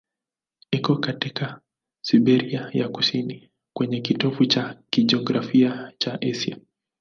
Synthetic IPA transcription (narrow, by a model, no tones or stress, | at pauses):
ikɔkatika | siɓɛɾiajaku̥sini | kwɛɲɛkitɔfut͡ʃakiʄɛɔɡɾafiat͡ʃaʔɛsia̰